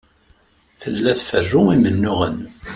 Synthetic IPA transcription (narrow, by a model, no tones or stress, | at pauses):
θəlːæθfəʒʊimənːʊʁən